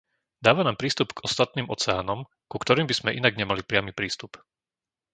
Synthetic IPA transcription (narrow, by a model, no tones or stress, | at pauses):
d̪aːʋanaːmpɾiːst̪upɡɔst̪at̪̚niːmʔɔ̰t͡sɛa̰ːnɔm | kukt̪ɔɾiːmbiz̥mɛʔinaɡɲɛmalipɾɪamipɾiːst̪up